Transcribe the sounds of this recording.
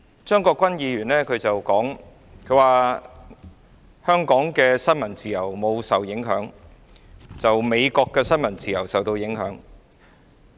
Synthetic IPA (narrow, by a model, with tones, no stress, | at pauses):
t͡ʃœː˥ŋkɔː˧kʷːɐ˥njiː˨˧jyː˨˩nlɛː˥kʰɵ˨˧t͡sɐ˨wkɔː˨˥ŋ | kʰɵ˨˧ɥwaː˨ | hœː˥ŋkɔː˨˥ŋkɛː˧sɐ˥nmɐ˨˩nt͡siː˨jɐ˨˩wmo˨˧wsɐ˨˩wjɪ˨˥ŋɦœː˨˥ŋ | t͡sɐ˨wme˨˧jkɔː˧kːɛː˧sɐ˥nmɐ˨˩nt͡siː˨˩jɐ˨˩wsɐ˨wt̪o˧wjɪ˨˥ŋɦœː˨˥ŋ